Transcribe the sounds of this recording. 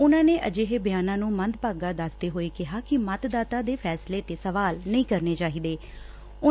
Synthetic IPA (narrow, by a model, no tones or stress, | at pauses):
ʊnãːneːʔəd͡ʒeːɦeːbɪjaːnãːnũːmənd̪paːɡaːd̪asd̪eːɦoːeːkɪɦaːkɪmət̪d̪aːt̪aːd̪eːpʰɛːsleːt̪eːsəʋaːlnəĩːkəɾneːt͡ʃaːɦiːd̪eː | ʊ